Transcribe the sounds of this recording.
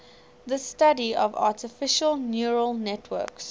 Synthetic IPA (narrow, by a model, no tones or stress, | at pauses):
ðəstadiɔvɑ̰ːˑtəfɪʃəlˠnjuɹəlˠnɛtʰwɜ̰ːks